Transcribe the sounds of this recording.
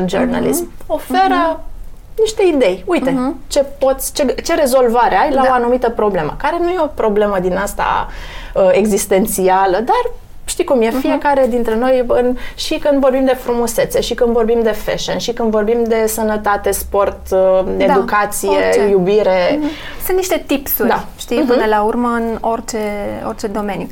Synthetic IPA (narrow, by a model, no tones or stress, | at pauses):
d͡ʒorna̰lḭsmo̞fe̞ɾə | niʃt̪e̞id̪e̞jujt̪e̞t͡ʃe̞po̞t̪sʲt͡ʃet͡ʃe̞ɾe̞zo̞lvaɾeajlaoanumit̪əpɾo̞ble̞mə̰kaɾe̞nujeo̞pɾo̞ble̞məd̪inast̪a̰əe̞ɡzist̪e̞nt̪sialəd̪ar | ʃt̪ikumje̞fije̞kaɾe̞d̪int̪ɾe̞no̞jɨnʃikɨnd̪vo̞rbimd̪e̞fɾumuse̞t̪se̞ʃikɨnd̪vo̞rbimd̪e̞fḛʃənʃikɨnd̪vo̞rbimd̪e̞sənət̪at̪e̞spo̞rt̪ed̪ukat̪sije̞jubiɾe̞ | sɨnt̪niʃt̪e̞t̪ipsuɾd̪aʃt̪ipɨnəlaurməɨnort͡ʃeo̰rt͡ʃe̞d̪o̞me̞nju